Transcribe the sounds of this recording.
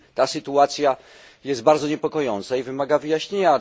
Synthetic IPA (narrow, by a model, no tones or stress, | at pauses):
t̪asɘt̪uat̪sʲja | jɛst̪̚baɾd̪zɔɲɛpɔkɔjɔnt̪saivɘmaɡavɘjaɕɲeɲa